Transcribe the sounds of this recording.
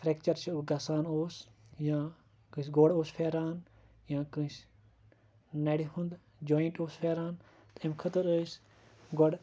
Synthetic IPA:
fʰɾɛk̚t͡ʃɐɾt͡ʃiɡɐsaːnoːsjãː | kɨ̃sɡoɽoːspʰeːɾaːn | jãːkɨ̃s | nɐɽihũnd̪ | d͡ʒoːjiɳʈoːsfʰeːɾaːn | t̪ʰemʲkʰət̪ɨɾəs | ɡoɽ

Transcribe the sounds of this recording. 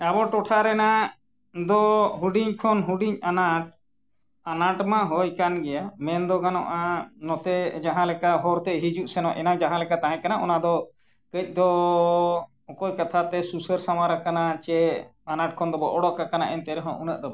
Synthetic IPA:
abɔʈɔʈʰaɾɛna | d̪ɔɦuɖiɲkʰɔnɦuɖiɲanaʈ̚ | anaʈmãɦɔjkanɡɛjamɛnd̪ɔɡanɔ̰ʔanɔt̪ɛd͡ʒaɦãlɛkaɦɔɾt̪ɛɦid͡ʒuʔsɛnɔʔɛ̰nad͡ʒaɦãlɛkat̪aɦɛ̃kanaʔɔnad̪ɔ | kəc̚ˀd̪ɔ | ɔkɔjkat̪ʰat̪ɛsusəɾsawaɾakanat͡ʃɛanaʈ̚kʰɔnd̪ɔbɔʔɔɽɔʔkakana̰ʔɛnt̪ɛɾɛɦɔ̰̃ʔunəʔd̪ɔbɛ

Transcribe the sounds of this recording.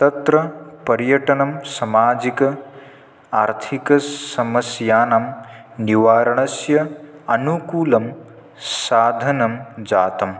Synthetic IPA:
t̪ɐt̪ɾɐpɐɾjɐʈɐnɐmsɐmaːd͡ʒikɐ | aːɾt̪ʰikɐsɐmɐsjaːnɐm | niʋaːɾɐɳɐsjɐɐnukuːlɐm | saːd̪ʱɐnɐmd͡ʒaːt̪ɐm

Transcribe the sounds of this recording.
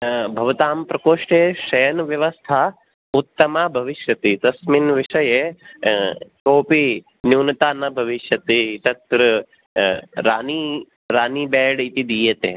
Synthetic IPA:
bʱɐʋɐt̪aːmpɾɐkoːʂʈeʃɐjɐnʋjɐʋɐst̪ʰaː | ut̪ːɐmaːbʱɐʋiʃjɐt̪it̪ɐsminʋiʂɐje | koːpi | njuːnɐt̪aːnːɐbʱɐʋiʃjɐt̪it̪ɐt̪ɾɨ | ɾaːni | ɾaːniːbɛːɖit̪id̪iːjɐt̪eː

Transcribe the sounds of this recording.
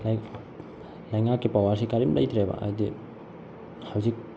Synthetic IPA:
lɐjŋakːipawasikaɾimlʔɐ̰jtʰɾeba̰ʔa̰di | hawzik̚

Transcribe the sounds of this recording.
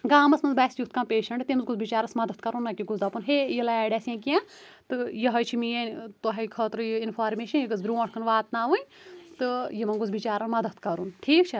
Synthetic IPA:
ɡaːmɐsmɐnzbaːsjukt̪kʰãːpeːʃɐɳʈt̪emɐzɡuzbit͡ʃaːɾɐsmɐd̪ɐt̪̚ʰkɐɾunːɐkʲiɡuzd̪ɐpunɦeːjilaɛːɖaːsãːkiãː | t̪ɨjɐɦɐt͡ʃʰimijɐːnʲt̪oɦɐkʰəːt̪ɾɨjiinfʰaːɾmeːʃɐnjiɡɐzbɾʲuːãːʈkʰɐnʋaːt̪naːʋɨnʲt̪ɨjimɐnɡuzbit͡ʃaːɾɐnmɐd̪ɐt̪ʰkɐɾunʈʰiːkt͡ʃʰɐ

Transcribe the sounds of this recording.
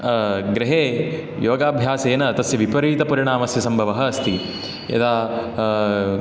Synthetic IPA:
ɡɾɪɦeː | joːɡaːbʱjaːseːnɐt̪ɐsjɐʋipɐɾʋiːt̪ɐpɐɾiɳaːmɐsjɐsɐmbʱɐʋɐɦɐ̆ɐst̪i | ɐ̰d̪aː

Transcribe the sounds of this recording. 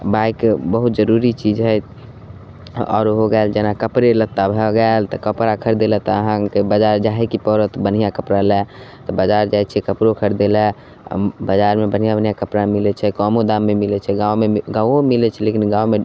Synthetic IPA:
baikbəɦut̪̚d͡ʒəɾuɾit͡ʃid͡ʒɦəjt̪ | ɔ̰ːɾɦoɡɛld͡ʒenakəpɾelət̪ːabʱəɡɛelt̪ɔkəpɾakʰəɾd̪elɛt̪ɔəɦãkebəd͡ʒaɾd͡ʒaɦɛkipɔɾət̪bən̤ijakəpɾalɛt̪ɔbəd͡ʒaɾd͡ʒajt͡ʃʰɛkəpɾokʰəɾd̪elɛ̰ | bəd͡ʒaɾmebənijabənijakəpɾamilɛt͡ʃʰɛkɔmod̪amːemilɛt͡ʃʰɛɡãomeɡawomilɛt͡ʃʰɛlekinɡãwme

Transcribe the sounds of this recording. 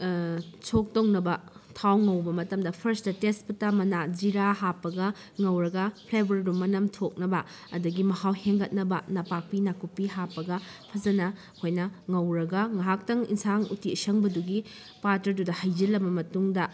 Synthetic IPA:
t͡ʃʰok̚townɐbɐtʰawŋɐwbɐmɐtɐmdɐpʰɐɾstɐtespɐtamɐnad͡ʒiɾaɦapːɐɡɐ | ŋɐwɾɐɡɐpʰlajbɐɾidumːɐnɐmtʰok̚nɐbɐː | dɐɡimɐhawheŋɡɐt̚nɐbɐnɐpak̚pinakupiɦapːɐɡɐpʰɐzɐnɐ | hojnɐŋɐwɾɐɡɐŋɐɦak̚tɐŋḭnsaŋutiisɐŋbɐduɡi | patɐɾdudɐhɐjd͡ʒilːɐbɐmɐtuŋdɐ

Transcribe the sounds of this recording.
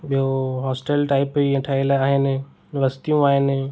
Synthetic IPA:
ɓoɦɔːsʈelʈaːɪpieʈʰailaaːɦene | ʋəst̪ijũaːɦene

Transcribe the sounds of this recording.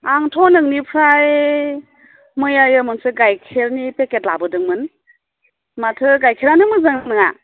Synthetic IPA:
aŋtʰɔnɯŋnipʰɾaj | mɯjajɯmɯŋsɯɡajkʰeɾnipeketla̰bɯdɯŋmɯn | matʰɯɡajkʰeɾanɯmɯzɯŋanɯŋa̰

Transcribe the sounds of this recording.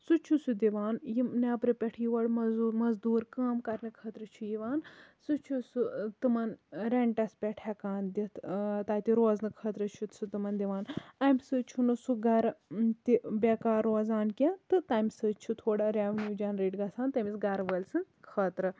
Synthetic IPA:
sut͡ʃʰusud̪iʋaːnjinapɾɨpʲɛʈʰijʋɐɽmɐzmɐzd̪uːɾkaːmkɐɾnɨkʰɐːt̪ɾɨt͡ʃʰujiʋaːnsut͡ʃʰusut̪ɨmɐnɾeɳʈɐspʲɛʈʰɐkaːnd̪it̪ʰt̪aːt̪iɾoːznɨkʰɐːt̪ɾɨt͡ʃʰut̪sut̪ɨmɐnd̪iʋaːnɐːmʲsɨt͡ʃʰunɨsuɡɐɾt̪ibʲekaːɾoːzaːnkʲãnt̪ɨt̪aːmʲsɨt͡ʃʰut̪ʰoːɽaɾʲaːʋnjuːd͡ʒɐnɾeːʈɡɐsaːnt̪ɐmisɡɐɾʋəlʲsɨn | kʰɐːt̪ɾɨ

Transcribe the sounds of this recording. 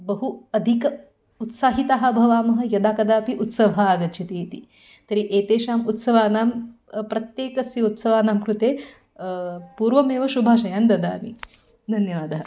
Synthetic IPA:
bɐɦuɐd̪ʱikɐ | ut̪saːɦit̪aɦɐ̆bʱɐʋaːmɐɦɐ̆jɐd̪aːkɐd̪aːpiʔut̪sɐʋɐɦɐaːɡɐt͡ʃʰɐt̪iːt̪i | t̪ɐɾiʔeːt̪eːʃaːmut̪sɐʋaːnaːm | pɾɐt̪jeːkɐsjɐut̪sɐʋaːnaːmkɾut̪eː | puːɾʋɐmeːʋɐʃubʱaːʃɐjaːnd̪ɐd̪a̰ːmi | d̪ʱɐnjɐʋaːd̪ɐɦɐ

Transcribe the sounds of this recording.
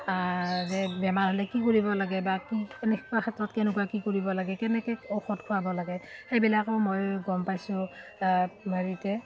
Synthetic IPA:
azɛbɛmaɹɦolɛkikoɹibɔlaɡɛbakinikaxʰatɹɔtkɛnʊkuakikoɹibɔlaɡɛkɛnɛkɛɔxɔtkʰuabɔlaɡɛxejbilakɔmojɡɔmpajsʊ̃ | mʱaɹitɛ

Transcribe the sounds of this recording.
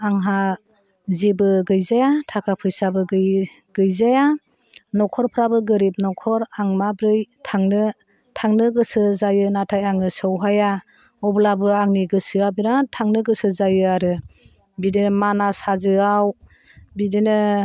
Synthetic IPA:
aŋɦa | zibɯɡɯjzajatʰakʰapʰɯjsabɯɡɯj | ɡ̥ɯjzaja | nɔkʰɔɾpʰɾabɯɡɯɾip̚nɔkʰɔɾaŋmabɾɯjtʰaŋnɯ | tʰaŋnɯɡɯsɯzajɯnatʰajaŋɯsɯwɦaja | ɔblabɯaŋniɡɯsɯabinatʰaŋnɯɡɯsɯzajɯaɾɯ | bidenmanasazɯaw | bidenɯ

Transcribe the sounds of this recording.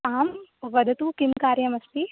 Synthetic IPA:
t̪aːmʋɐd̪ʱɐt̪ukɪmkaːɾjɐmɐst̪i

